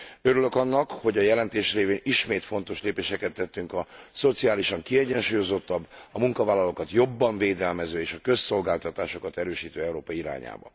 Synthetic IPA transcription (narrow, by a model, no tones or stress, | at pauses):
øɾylø̞kɒnːɒkho̞ɟɒjɛlɛnt̪eːʃreːveːniʃmeːt̪fo̞nt̪o̞ʃleːpeːʃɛkɛt̪ːɛt̪ːyŋkɒso̞t̪siaːliʃɒŋkiɛɟɛnʃuːjo̞zo̞t̪ːɒbːɒmuŋkɒvaːlːɒloːkɒt̪jo̞bːɒɱveːd̪ɛlmɛzøːeːʃɒkø̞sːo̞lɡaːlt̪ɒt̪aːʃo̞kɒt̪ɛɾøːʃiːt̪øːɛuɾoːpɒiɾa̰ːɲa̰ːbɒ̰